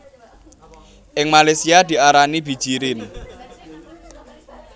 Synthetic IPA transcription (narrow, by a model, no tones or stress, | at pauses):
ʔɪŋmalesiad̪̥i̤ʔaɾanib̥i̤̥ʒ̥iɾɪn